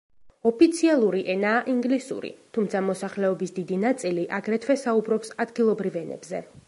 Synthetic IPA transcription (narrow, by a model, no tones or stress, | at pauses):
ɔpʰit̪sʰialˠuɾiʔɛnaːʔiŋɡlisṵɾḭt̪ʰumt̪sʰamɔsaχlɛɔbisd̪id̪inat̪sʼiliʔaɡɾɛt̪ʰwɛsaubɾɔpsad̪ɡilˠɔbɾivɛnɛ̰bzɛ